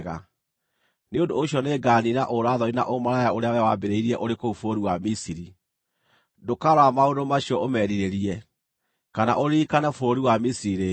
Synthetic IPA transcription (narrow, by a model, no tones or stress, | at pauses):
ɣa | neondoːɕiɔneɡaninaʔoɾaːðɔina̰ʔomaɾajaoɾeawɛawabeɾeiɾiɛʔoɾekoufoɾiwamisiɾi | dokaɾwamaondomaɕiɔomɛɾiɾeɾiɛ | kana̰ʔoɾikanɛfoɾiwamisiɾiɾe